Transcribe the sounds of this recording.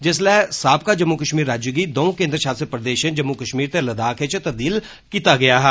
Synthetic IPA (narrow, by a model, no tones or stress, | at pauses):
d͡ʒɪslɛːsaːb̚kaːd͡ʒəmːukəʃmiːɾːaːd͡ʒjuɡid̪oːõkẽːnd̪ɾəʃaːsəpɾəd̪eːʃə̃d͡ʒəmːukəʃmiːɾt̪eləd̪aːkʰet͡ʃt̪ɐb̚d̪iːl | kiːt̪aɡɪjaːɦɛː